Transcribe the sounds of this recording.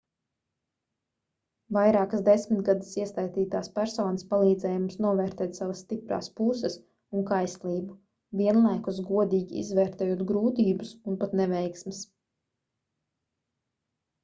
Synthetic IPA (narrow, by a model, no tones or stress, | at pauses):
vajɾaːkasd̪esmit̪ɡad̪əsiɛst̪ajt̪iːt̪aːspæɾsɔːnəspalˠiːd̪zɛːjummumsnuɔvɛːɾt̪ɛːt̪saʋasːt̪ipɾa̰ːspusəs | uŋkajslˠiːbu | viɛnlˠajkusɡuɔd̪iːɡʲiḭzvɛːɾt̪ɛːjuɔt̪ɡɾuːt̪iːbusunpat̪nɛvɛjksmɪs